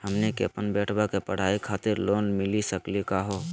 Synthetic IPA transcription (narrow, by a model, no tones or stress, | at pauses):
həmnekḛəpənbɛːʈʰbakepəɽ̤aːikʰaːt̪ɪɾloːnmɪlisəklikaɦo